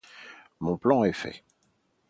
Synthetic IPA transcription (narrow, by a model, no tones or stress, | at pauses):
mɔ̃plɑ̃ɛfɛ̰